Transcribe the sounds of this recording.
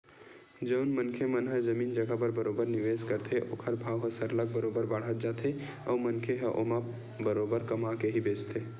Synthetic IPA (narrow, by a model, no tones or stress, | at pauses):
d͡ʒəʊnmənkʰemənɦəd͡ʒɐmiːnd͡ʒɐɡabəɾbɐɾoːbəɾnɪʋeːskəɾt̪ʰeʔʊkʰəɾbʱaːwɦəsəɾləɡ̚bəɾoːbəɾbaɽ̤ət̪̚d͡ʒaːt̪ʰe | ɔːmɐnkʰeɦɛʔo̰ma | bəɾoːbəɾkɐmakeɦibeːt͡ʃt̪ʰeː